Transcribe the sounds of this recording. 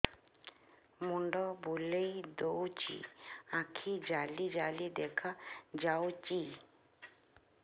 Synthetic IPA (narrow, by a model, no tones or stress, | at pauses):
muɳɖɔbulejd̪owt͡ʃḭãkʰid͡ʒalid͡ʒalid̪ɛkʰad͡ʒawt͡ʃi